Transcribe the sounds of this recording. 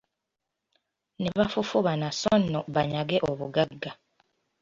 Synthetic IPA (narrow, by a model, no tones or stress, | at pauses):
neβafufuβanasonːoβaɲaɡeʔoβuɡaɡːa